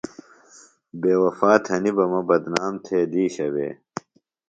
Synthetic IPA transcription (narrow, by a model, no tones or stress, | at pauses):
beːwɐfaːt̪ʰhɐnibɐmɐbɐd̪naːmt̪ʰeːd̪iːɕɐbḛː